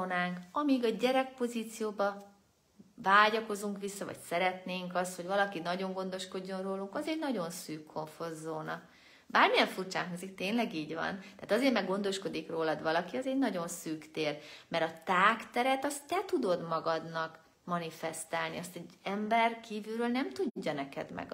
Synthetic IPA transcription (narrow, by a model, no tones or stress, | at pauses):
naːŋkɒmiɡɒɟɛɾɛk̚po̞ziːt̪sijoːbɒ | vaːɟɒko̞zuŋkʋisːɒvɒ̰csɛɾɛt̪neːŋkɒst̪hoɟvɒlɒkinɒɟo̞ŋɡo̞nd̪o̞ʃko̞ɟːo̞nroːluŋkɒzɛɟnɒɟo̞nsyːkʰːo̞ɱfo̞zːoːnɒ̰ | baːrmijɛɱfurt͡ʃa̰ːŋɦozikt̪eːɲnlɛɡiːɟʋɒ̰nt̪aːt̪ɒzeːrmɛɡo̞n̪d̪o̞ʃko̞d̪ikroːlɒd̪vɒlɒkiɒzɛɟnɒɟo̞nsyːkt̪eːrmɛɾɒt̪aːkt̪ɛɾɛt̪ɒst̪ːɛt̪ud̪o̞d̪mɒɡɒd̪nɒk | mɒnifɛst̪aːlnḭɒst̪ɛɟɛmbɛrkiːvylɾøːlnɛmt̪uɟɟːɒnɛkɛ̰d̪mɛ̰ɡ